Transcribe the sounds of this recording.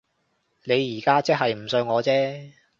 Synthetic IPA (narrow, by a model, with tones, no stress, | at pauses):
ne˨˧jːiː˨˩kaː˥t͡sɛ˥k̚ɦɐ˨jm̩˨˩sɵ˧ɥŋɔː˨˧t͡sɛː˥